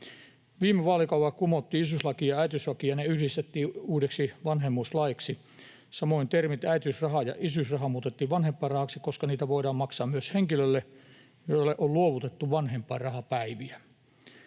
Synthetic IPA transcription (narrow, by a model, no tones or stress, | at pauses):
ʋiːmeʋɑːlikɑuwʋɑkumot̪ːiːisyslɑkiːɑæit̪yslɑkijɑneyhdist̪et̪ːiːuːdeksiʋɑnhemːuslɑiksi | sɑmoint̪ermit̪æit̪ysrɑɦɑjɑ̰ʔisysrɑɦɑmuːt̪et̪ːiːʋʋɑnhempːˑɑːrɑhɑksikoskɑniːt̪æʋoidɑːmmɑksɑːmmyøsheŋkilølːe | joilːeʔolluoʋut̪et̪ːuʋɑnhempːˑɑ̰ːrɑhɑpæiʋiæ